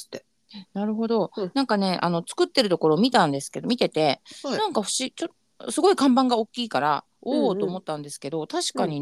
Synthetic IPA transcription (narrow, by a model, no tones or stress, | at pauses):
t̪e | naɾɯ̟ɦo̞d̪o̞nãŋkane̞ʔa̰no̞t͡sɨ̥kɯ̟t̪ːe̞ɾɯ̟t̪o̞ko̞ɾo̞ːmʲit̪ãnd̪e̞sɨ̥ke̞d̪o̞mʲit̪e̞t̪e̞nãŋkaɸɯ̟̥ɕit͡ɕot̪ː | sɨɡo̞ikãmbãŋɡaokʲːiːkaɾa̰ | oːt̪o̞ːmo̞t̪ːãnd̪e̞sɨ̥ke̞d̪o̞t̪aɕi̥kaɲ̟i